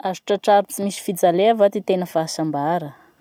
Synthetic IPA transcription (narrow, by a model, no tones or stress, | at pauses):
azuʈ͡ʂaʈ͡ʂaɾut͡simisi̥fid͡zaleavat̪it̪enəfasambaɾə